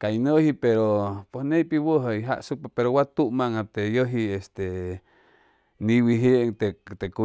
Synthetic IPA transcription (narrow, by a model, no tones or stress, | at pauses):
kainəhipeɾopesneipiwəɦəiɦa̰ʔsuk̚papeɾowat̪uʔmaŋat̪ejoɦiest̪e | niwiɦeʔŋt̪et̪eku